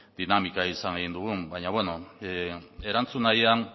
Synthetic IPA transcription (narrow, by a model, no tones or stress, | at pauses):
d̪̥inamikaisaneɣind̪uɣ̞umbajɲaβwe̞no̞ | e̞ɾant͡sunajan